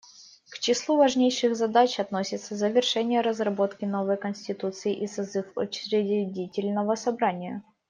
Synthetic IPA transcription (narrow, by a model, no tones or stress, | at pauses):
kt͡ɕɪslˠuvɐʐnʲejʂɨɣzɐd̪at͡ɕɐt̪nosʲɪt̪səzəvʲɪrʂɛnʲɪjəɾəzrɐbo̞t̪kʲɪno̞vəjkənʲsʲtʲɪt̪ut̪sɨɪʔisɐzɨfʊ̰t͡ɕɾʲɪɪdʲitʲɪlʲnəvəsɐbɾanʲɪjə